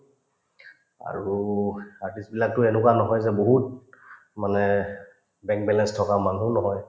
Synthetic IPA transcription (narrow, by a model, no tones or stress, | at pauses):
a̰ɹuaɹtisbilak̚tʊɛnʊkwanɔɦɔjzɛboɦut̚ | manɛ | bɛ̃ŋk̚bɛlɛnstʰɔkamanunɔɦɔj